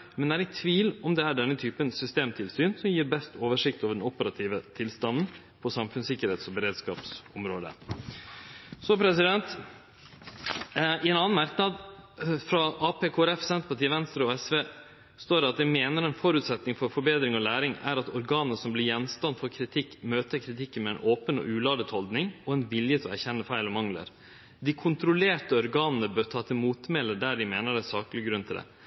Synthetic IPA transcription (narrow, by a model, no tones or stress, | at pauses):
mɛnd̪ɛæːɾɛkt̪ʰʋiːlɔmd̪ɛæɖɛnːət̪ʰyːpənsʏst̪eːmt̪ʰɪlsyːnsɔmjiːɾbɛst̪oːʋəʂɪk̚t̪oːʋəɖɛnɔpəɾɑt̪ʰiːʋət̪ʰɪlst̪ɑnn̩ | pʰɔsɑmfʉnsɪkːəɾheːt̪sɔbəɾeːd̪skɑ̰ːpsɔmɾoːd̪ə̰ | sɔpʰɾɛsɪd̪ɛnt̪ | ɪɛːnɑnːnmɑɾknɑd̪fɾɑʔɑːpeːkʰoːɾɛfsɛnt̪əpʰɑʈʰiːʋɛnst̪ɾəɔɛsʋeː | st̪oːɖɛɑt̪̚d̪ɛmeːnəɾɛnfɔɾʉːt̪sɛt̪nɪŋfɔɾfɔɾbeːd̪ɾɪŋɔlæːɾɪŋæ̰ɾɑt̪ɔɾɡɑːnnəsɔmblɪɾjɛnst̪ɑnfɔɾkʰɾɪt̪ʰɪkːmøːt̪əɾkʰɾɪt̪ʰɪkːənmɛɛnʔoːpənɔ̰ʔʉːlɑːd̪ət̪hɔld̪nɪŋɔɛnʋɪljət̪ʰɔæɾçɛnːəfæɪlɔmɑŋlə̰ɾ | d̪ɪkʰʊnt̪ɾʊleːʈəɔɾɡɑːnənəbøːɾt̪ʰɑːt̪ʰɪmuːt̪mɛləɖæɖɪmeːnəɾæsɑːklɪɡɾʉnt̪ʰɪld̪ɛ̰